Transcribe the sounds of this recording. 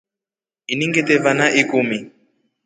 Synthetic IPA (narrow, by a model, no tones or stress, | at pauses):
iniŋɡɛtɛvanaʔikumi